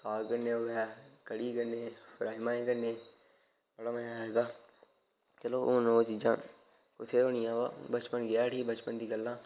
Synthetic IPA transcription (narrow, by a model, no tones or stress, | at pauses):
saːkənːeːoːaːkəɽiːkəɾneːfʰɾaːimãːẽːkəneː | bəɽaːməjãːɦɛːɡ̪aː | t͡ʃəloːʔonoːt͡ʃiːd͡ʒãː | kʊt̪ʰeːoːnɪjãːʋa̰ːbət͡ʃpənɡɪjaːʈʰiːkbət͡ʃpənd̪iːɡəlːãː